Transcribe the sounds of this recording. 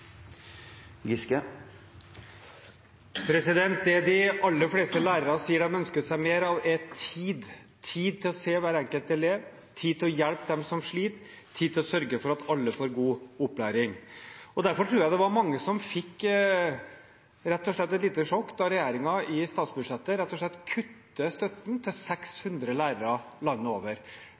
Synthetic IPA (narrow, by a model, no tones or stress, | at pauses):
ɡɪskə | pʰɾɛsɪd̪ɛnt̪̚d̪ɛd̪ɪɑlːəfleːst̪əlæːɾəɾɑsiːəɖɛmœnskət̪sæɪmeːɾɑʋɛt̪ʰiːd̪ | t̪ʰiːd̪̚t̪ʰɪlɔseːʋæːɾɛŋkəlt̪ɛleːʋ | t̪ʰiːd̪̚t̪ɪlɔjɛlpd̪ɛmsɔmʂɭiːt̪ʰː | iːd̪t̪ʰːɪlɔsœɾɡəfɔɾɑt̪ʰɑlːəfoːɾɡuːʊpːlæːɾɪŋɔd̪æɾfɔʈʰɾuːɾjæɪd̪ɛʋɑɾmɑŋːəsɔmfɪkː | ɾɛt̪ːɔʂɭɛt̪ːɛt̪liːt̪əʂɔkːd̪ɑɾɛjæːɾɪŋɑɪst̪ɑːt̪sbʉd̪ʂɛt̪ːəɾɛt̪ːɔʂɭɛt̪ːkʰʉt̪ːəst̪œt̪nt̪ʰɪlsɛkshʉnd̪ɾəlæːɾəɾɑ | lɑnːəoːʋəɾ